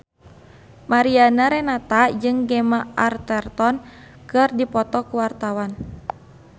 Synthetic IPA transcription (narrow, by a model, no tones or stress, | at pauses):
maɾianaɾɛnat̪ad͡ʒɨŋɡɛmaart̪ɛrt̪ɔn | kɨrdipɔt̪ɔkuwart̪awan